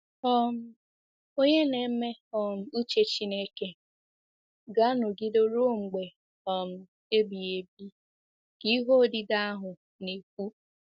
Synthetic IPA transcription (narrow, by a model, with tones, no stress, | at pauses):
ɔ˦m̩˦ | o˦ɲe˦ne˨˦me˦ɔ˨m̩˨˦u˦t͡ʃe˦t͡ʃi˦ne˦ke˦ | ɡa˦nʊ˨ɡɪ˦do˦ɾo˦ŋ͡m̩˨ɡ͡be˨ | ɔ˨m̩˦˨ | e˦bi˨e˨bi˦ | ki˦ɦo˦˨dɪ˦da˦ɦʊ˨ | ne˨kʷu˦